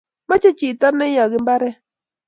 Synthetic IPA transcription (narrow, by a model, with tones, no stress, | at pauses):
ma˦t͡ʃe˦t͡ʃi˨tɔ˦nɛ˦jɔ˨ɡɪ˦mba˦ɾɛ˦